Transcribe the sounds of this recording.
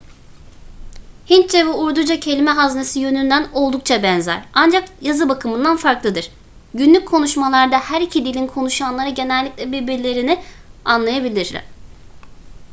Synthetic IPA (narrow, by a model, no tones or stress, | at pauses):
hint͡ʃevɛuɾd̪ud͡ʒacʰe̞lʲimɛɦaznesijø̞nynd̪æno̞lˠd̪uk̚t͡ʃʰabɛnzæ̰ɾand͡ʒakjazɯbakʰɯmɯnd̪anfaɾklˠɯd̪ɯɾ̥ | ɟynlʲyc̚ʲkʰːo̞nuʃmalˠaɾd̪ahæɾicʰid̪ilʲinkʰo̞nuʃanlˠaɾɯɟe̞nɛlʲːiclʲɛbiɾbiɾlʲe̞ɾinianlˠajabilʲiɾlʲɛ̰